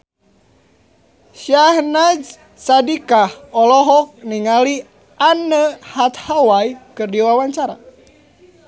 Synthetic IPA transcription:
ʃahnad͡ʒ | sadikahɔlɔɦɔk̚niŋali | anəhat̪hawaikɨrdiwawaɲt͡ʃaɾa̰

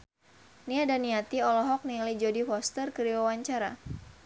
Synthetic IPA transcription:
niadaniat̪iɔlɔɦɔk̚nilid͡ʒodifɔst̪ərkəɾiwawaɲt͡ʃaɾa̰

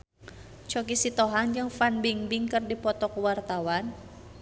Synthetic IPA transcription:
t͡ʃɔkisit̪ɔɦand͡ʒɨŋfanbiŋbiŋkɨrdipɔt̪ɔkwart̪awan

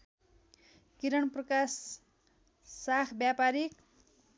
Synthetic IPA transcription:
kiɾʌɳprʌkas | akʰbjapaɾik̚

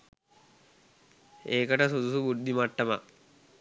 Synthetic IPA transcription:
eːkəʈəsud̪usubud̪ʱːimaʈːɐma

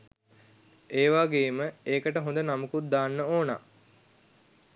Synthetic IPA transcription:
eːʋaːɡeːməeːkəʈəɦõnd̪ənamukut̪̚d̪aːnːəoːna̰ː

